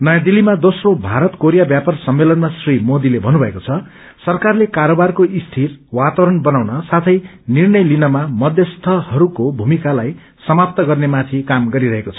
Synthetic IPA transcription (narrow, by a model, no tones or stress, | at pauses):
nʌjad̪ilːimad̪osrobʱaɾʌt̪koɾijabjapʌrsʌmːelʌnmasrimod̪ilebʱʌnubʱʌekot͡sʰʌ | sʌrkarlekaɾobarkoʔist̪ʰirwat̪awɾʌnbʌnawnʌsat̪ʰʌj | nirnʌjlinʌmamʌd̪ʱjʌst̪ʰʌhʌɾukobʱumikalaj | sʌmap̚t̪ʌɡʌrnemat̪ʰikamɡʌɾiɾʌɦekot͡sʰʌ̥